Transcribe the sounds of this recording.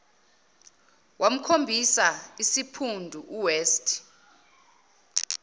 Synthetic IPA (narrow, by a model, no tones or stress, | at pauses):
wʔam̩kʰombʱisaisipʰundʱuʔuweːstʼ